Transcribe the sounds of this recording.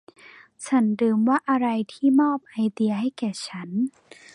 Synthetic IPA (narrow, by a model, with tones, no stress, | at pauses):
t͡ɕʰa˦˥ndɯː˧mwaː˥˩ʔa˧ɾa˧jt̪ʰiː˥˩mɔː˥˩p̚ha˧jt̪i˧ɐɦha˥˩jkɛː˨˩t͡ɕʰa˦˥n